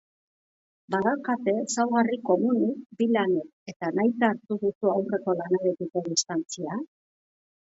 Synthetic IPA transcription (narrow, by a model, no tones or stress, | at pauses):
baðakat̪e̞sawɣariko̞munikbilaneke̞t̪anajt̪aːɾt̪uðusuawre̞ko̞lanaɾek̪iko̞ðist̪ant͡sia